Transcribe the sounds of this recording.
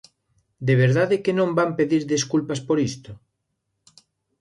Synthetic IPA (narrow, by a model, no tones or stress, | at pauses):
d̪eβ̞eɾðaðekenõmbampeðiɾðiskulpaspoɾist̪o